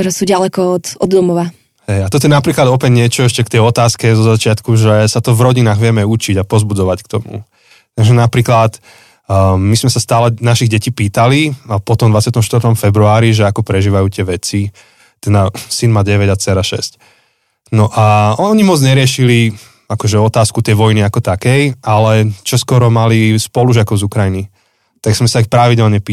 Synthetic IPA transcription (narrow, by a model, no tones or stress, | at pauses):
t̪ɔɾɛsuɟalɛkɔɔt̪ɔd̪ːɔmɔʋa | hɛjat̪ɔt̪ɔɛnapɾiːklad̪ɔpɛɟɲɪɛt͡ʃɔɛʃcɛkt̪ɛjɔt̪aːskɛzɔzat͡ʃɪat̪kuʒɛsat̪ɔvɾɔɟinaːɣʋɪɛmɛut͡ʃiɟapɔzbud͡zɔʋackt̪ɔmṵ | t̪aɡʒɛnapɾiːklat̪ | mizmɛsast̪aːlɛnaʃiɣɟɛciːpiːt̪aliapɔt̪ɔmd̪ʋat͡sɪat̪ɔmʃt̪ʋɾt̪ɔmfɛbɾuaːɾiʒɛakɔpɾɛʒiːʋajuːt̪ɪɛʋɛt͡si | t̪ɛd̪asinmaːɟɛʋɛɟat͡sɛɾaʃɛ̰sc | nɔʔaɔɲimɔd͡zɲɛɾɪɛʃili | akɔʒɛɔt̪aːskut̪ɛjʋɔjniakɔt̪akɛjalɛt͡ʃɔskɔɾɔmalispɔluʒɪakɔʊzukɾajini | t̪aɡz̥mɛsaixpɾaʋiɟɛlɲɛpiː